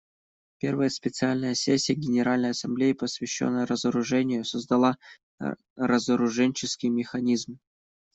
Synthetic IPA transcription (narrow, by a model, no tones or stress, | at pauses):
pʲe̞rvəjəspʲɪt̪sɨalʲnəjəsʲesʲːɪjəɡʲɪnʲɪɾalʲnəjɐsɐmblʲejɪpəsvʲɪɕːo̰nːəjəɾəzəɾʊʐɛnʲɪjʊsəzd̪ɐlˠa | rəzəɾʊʐɛnʲt͡ɕɪskʲɪjmʲɪxɐnʲizm